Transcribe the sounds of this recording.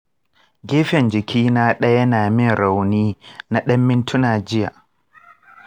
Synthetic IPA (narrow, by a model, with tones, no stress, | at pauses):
ɡʲeː˦ɸɛ˨nd͡ʒɪ˨kʲʰiː˦naː˦ɗɐ˦jɐ˦naː˨mɪ˦nɾa˨wniː˦na˦ɗɐ˦mːɪ˦ntʰʊ˦naː˨d͡ʒɪ˦ja̰˨